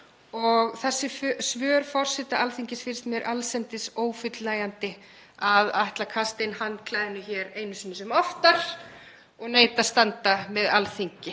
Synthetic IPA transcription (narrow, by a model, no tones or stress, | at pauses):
ɔɣθɛsːɪfsvœːɾfɔr̥sɛt̪aʔalθiɲcɪsfɪɾɪ̥st̪mjɛɾʔalsɛmt̪ɪsoːwfʏt̪laːjant̪ɪ | aðajht̪lakʰast̪ɪnhanːkʰlaːjðɪnʏçɛɾeːjnʏsinʏsɛmɔft̪aɾ̥ | ɔɣneːjt̪ast̪ant̪amɛðalθiɲcɪ